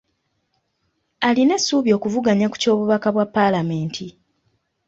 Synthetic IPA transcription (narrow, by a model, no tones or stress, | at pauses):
alinesuːβjo̞ːkuvuɡaɲaku̥co̞ːβuβakaβwapːalame̞ːntʰi